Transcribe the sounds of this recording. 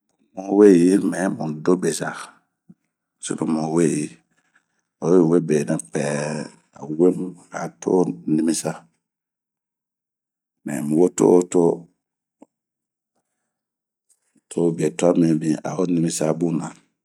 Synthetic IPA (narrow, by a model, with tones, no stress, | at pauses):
mo˨˦we˦ji˦mɛ̃˨˦mũ˨do˦be˨sa˨ | so̰˨nu˨mõ˨we˦˨ji˨ | o˨˦e˦˨we˦be˨nã˨pɛ˨ | a˨we˦mu˦a˨to̰˦nĩ˦mi˦sa˦ | mɛ̰̃˨mu˨wo˦to̰˦to˦ | tʰo˦be˨to˦a˦mĩ˨bĩ˨a̰˨o˦nĩ˦mĩ˦sa˦bũ˦na˨